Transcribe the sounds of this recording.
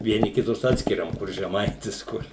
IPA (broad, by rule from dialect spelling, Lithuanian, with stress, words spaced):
ʋʲiɛˈnʲɪ kʲɪˈtʊs ˈɑːtʲsʲkʲɪrʲɛm kʊr ʒʲɛˈmɐɪtʲɪs ˈkʊr